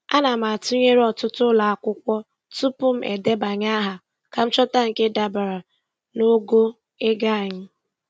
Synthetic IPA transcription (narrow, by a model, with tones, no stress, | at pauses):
a˦na˨m̩˨a˨tʊ˦ɲe˦ɾɔ˨tʊ˦tʊ˦la˨a˨kʷʊ˦kʷɔ˦ | tu˦pʊ˦m̩˦ʔḛ˨de˦ba˨ɲa˦ɦa˨ | ka˨m̩˦t͡ʃɔ˦ta˦ŋ̩˨ke˦da˨ba˨ɾa˨ | no˦ɡo˦ | e˦ɡa˦a˨ɲɪ˦